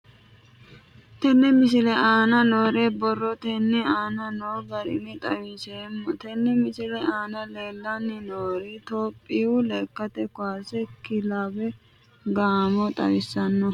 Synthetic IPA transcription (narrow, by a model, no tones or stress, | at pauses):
t̪ɛnːɛmɪsɪlɛaːnɐnoːɾeːbɔrːɔt̪ɛnːɛaːnɐnoːɡɐɾɪ̰mɪt̪ʼɐwɪsemːɔt̪ɛnːɛmɪsɪlɛaːnɐle̞ːlːanːɪnoːɾit̪oːpʼːiwʊleːkːɐt̪ɛkʊaːsɛkɪlaːbɛ | ɡaːmɔt̪ʼɐ̰wɪsːɐnːɔ